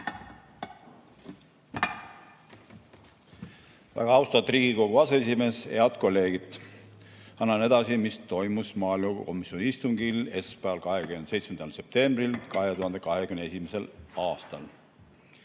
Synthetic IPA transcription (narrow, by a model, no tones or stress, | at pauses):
væ̰ɡ̥ɑɑwst̪ɑvt̪ːˑriːɡ̥iko̞ɡ̥uɑsees̬ime̞ːse̞ɑd̪̥ko̞lːe̞ːɡ̥it̪ | ɑnːɑne̞d̪̥ɑsimist̪o̞jmusmɑːilmɑko̞misionʲiist̪umɡ̥ile̞spæɑlkɑhekymensejt̪smend̪̥ɑlse̞p̚t̪e̞mbrilkɑɦet̪uhɑnd̪̥e̞kɑɦe̞kymnee̞simese̞lɑːst̪ɑl